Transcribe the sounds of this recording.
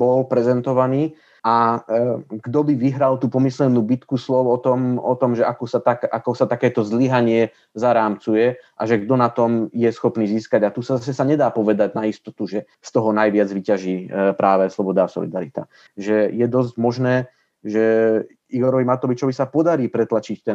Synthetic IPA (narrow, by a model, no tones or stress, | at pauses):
bɔlpɾɛzɛnt̪ɔʋaniː | a | ɡ̥d̪ɔbiʋiɦɾalt̪uːpɔmislɛnuːbit̪kuslɔʊɔt̪ɔmɔt̪ɔmʒɛʔakusat̪aka̰kɔsat̪akɛːt̪ɔzliɦaɲɪɛ | zaɾaːmt͡sujɛʔaʒɛɡd̪ɔnat̪ɔmjɛsxɔpniːziːskaɟat̪usazasɛsaɲɛd̪aːpɔʋɛd̪aɟnaist̪ɔt̪uʒɛ | st̪ɔɦɔnajʋɪad͡zʋicaʒiːpɾaːʋɛslɔbɔd̪aːsɔ̰lid̪aɾit̪a̰ | ʒɛjɛd̪ɔzɟmɔʒnɛː | ʒɛ | iɡɔɾɔʋimat̪ɔʋit͡ʃɔʋisapɔd̪aɾiːpɾɛt̪lat͡ʃict̪ɛ